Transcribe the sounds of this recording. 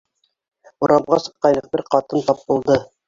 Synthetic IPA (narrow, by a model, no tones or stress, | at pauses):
uɾʔɑbʁɑsɤ̥̆qːɑjnɤ̆q̚bɘɾqɑt̪ɤnt̪ɑp̚bŭlˠd̪ɤ